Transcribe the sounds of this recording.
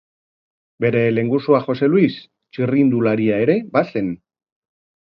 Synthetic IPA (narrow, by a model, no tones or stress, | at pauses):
be̞ɾe̞le̞ŋɡusuaxo̞se̞luis | t͡ʃirind̪ulaɾiae̞ɾe̞base̞n